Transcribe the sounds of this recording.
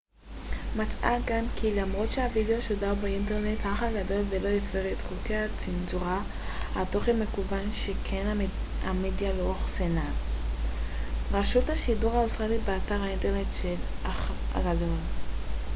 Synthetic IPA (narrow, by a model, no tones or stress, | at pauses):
mat͡sʔaɡamkʰilamʁo̞tʃehavideoʃodabeint̬eʁne̞thaχaɡado̞lve̞lo̞jefeʁetχokejat͡sinzuʁa | hato̞χenme̞kubanʃekʰena | amedjalooχsena | ʁaʃuthaʃiduʁaostʁalibeataʁainteʁne̞tʃelaχ | a̰ɡado̞l